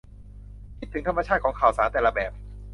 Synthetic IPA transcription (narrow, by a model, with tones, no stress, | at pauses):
kʰi˦˥t̪ʰːɯ˩˦ŋt̪ʰa˧ma˧t͡ɕʰaː˥˩t̪̚kʰːŋkʰaː˨˩wsaː˩˦nt̪ɛː˨˩la˧bɛː˨˩p̚